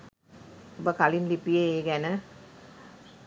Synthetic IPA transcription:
obəkalinlipijeeːɡænə

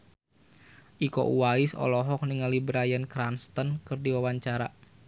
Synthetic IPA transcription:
ʔiko̰ʔuwaɪsɔ̰lɔɦɔk̚niŋalibɾajənkɾanst̪ənkɨrdiwawaɲt͡ʃaɾa

